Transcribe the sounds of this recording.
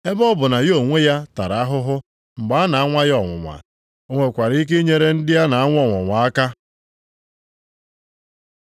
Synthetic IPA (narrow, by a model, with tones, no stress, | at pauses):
e˦bɔ˦bʊ˨na˨jo˨ŋʷe˦ja˦ta˨ɾa˨a˦ɦʊ˦ɦʊ˦ | ŋ͡m̩˨ɡ͡ba˦a˦na˨a˦ŋʷa˦jɔ˨ŋʷʊ̰˨ŋʷa̰˨ | o˦ŋʷe˨kʷa˨ɾi˦i˦k̬e˦ɲe˦ɾe˦n̩˦dɪ˦ja˦na˨a˦ŋʷ˦ɔ˦˨ŋʷɔ̰˨ŋʷa˨a˦ka˦